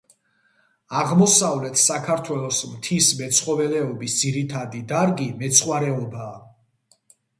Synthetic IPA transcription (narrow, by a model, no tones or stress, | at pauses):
aʁmɔsavlɛt̪ʰsakʰaɾt̪ʰwɛlˠɔsmt̪ʰismɛt̪sʰχɔvɛlɛɔbisd̪ziɾit̪ʰad̪id̪aɾɡimɛt̪sʰχwaɾɛɔbaː